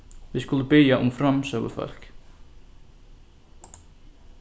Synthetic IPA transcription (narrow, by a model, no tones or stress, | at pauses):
vɪðskʊlʏpɪðjaʔʊmfɾamsœɣʏ̰fœ̰l̥k